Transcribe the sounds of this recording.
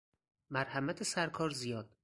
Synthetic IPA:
mæɾhæmæt̪ʰesæɾkʰɒːɾzijɒːd̪̥̚

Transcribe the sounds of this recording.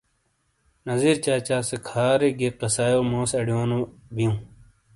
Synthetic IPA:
nɐziːɾt͡ɕaːt͡ɕaːsekʰaːɾeɡeqɐsaːjoːmõːsɐɽijoːnobijũː

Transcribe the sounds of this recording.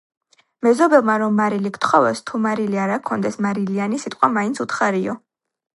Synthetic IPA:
mɛzɔbɛlˠmaɾɔmːaɾilikt̪χɔvɛst̪ʰumaɾiliaɾakʰɔnd̪ɛsmaɾilianisit̪ʼqʼwamainsʰut̪χaɾiɔ

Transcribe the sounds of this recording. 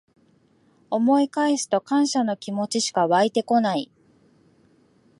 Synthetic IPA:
o̞mo̞ikaesɨ̥t̪o̞kãɰ̃ɕano̞kʲimo̞t͡ɕiɕi̥kaβait̪e̞ko̞nai

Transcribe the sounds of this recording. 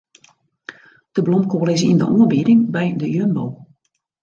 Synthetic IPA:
d̥əblɔmkʰoːlɪs̬ḭndə̰ʔoːənbiɾɪŋbɛjdəjønbo̰w

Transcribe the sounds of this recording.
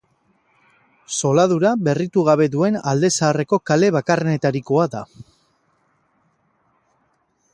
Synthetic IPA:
so̞lað̞uɾaβe̞rit̪uɣ̞aβ̞e̞ðue̞na̰ld̪e̞saːre̞ko̞kale̞β̞akarene̞t̪aɾiko̞aða

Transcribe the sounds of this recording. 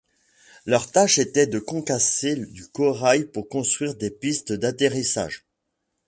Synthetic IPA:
lœʁt̪aʃet̪ɛd̪əkɔ̃kased̪ykɔʁajpuʁkɔ̃st̪χɥiʁd̪epist̪d̪at̪eʁisa̰ːʒ

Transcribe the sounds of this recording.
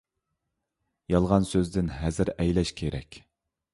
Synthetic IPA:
jɑlˠʁɑnsøzd̪ɪnɦɛzɪɾɛjlɛʃkʲʰeɾɛ̰kʲ

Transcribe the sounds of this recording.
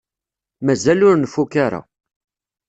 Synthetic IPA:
mæzælʊɾnəfukaɾa̰

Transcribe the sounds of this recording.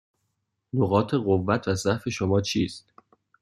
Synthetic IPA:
noɣɒːt̪ʰe̞ɣovːæt̪ʰvæzæfe̞ʃomɒːt͡ʃʰiːst̪

